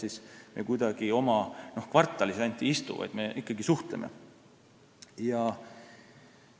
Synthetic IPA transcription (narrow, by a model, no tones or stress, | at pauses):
sisme̞̰kujd̪̥ɑɡ̥io̞mɑno̞hkvɑrt̪ˑːɑlisɑnʲt̪ʲːˑiist̪ṵvɑ̰jd̪̥me̞ʔikːˑɑɡisuht̪lemḛ | jɑ